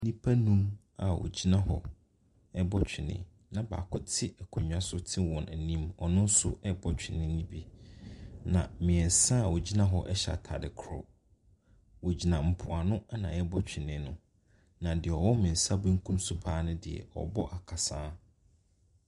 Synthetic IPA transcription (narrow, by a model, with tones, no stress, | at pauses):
nĩ˦pʰa˦nũ˦m | a˨wʔɔ̰˨d͡ʑi˦nã˦hɔ̰˨ | ɛ˦bɔ˦t͡ɕᶣʰɪ˨nɪ̰̃˨˦ | nã˨ba̰ː˨kʰʊ˦tʰɪ˦ɛ˨kʰɔ˨ɲᶣ˨˦a˦sʊ˦tʰɪ˦wɔ̃˨næ˨nĩ˦mɔ˨nʊ̃˦n˦sʊ̰˦ɛ˦bɔ˦t͡ɕᶣʰɪ˨nɪ̃˦nĩ˦bi˦ | nã˨mɪ̃˨ɛ˨n˨sã˦˨wɔ˨d͡ʑi˦nã˦ɦɔ˦ʔɛ˦ɕɛ̰˨tʰa̰˨dɪ˨kʰɾɔ̰˦˨ | wɔ˨d͡ʑi˨nã˨m̩˨pʰʊ˨a˨nʊ̃˦a˦nã̰˨ɛ˦bɔ˦t͡ɕʰᶣɪ˨nɪ̃˨˦nʊ̃˨ | nã˨dɪ˨ɛ˨ɔ˨wɔ˦mɪ̃˨n̩˨sa˦bʊ̃˦ŋ̩˦kʰũ˦msʊ˦pʰaː˦nʊ̃˦dɪ˨ɛ̰˨ɔ̰˨bɔ˦ʔa˨kʰa˨sãː˦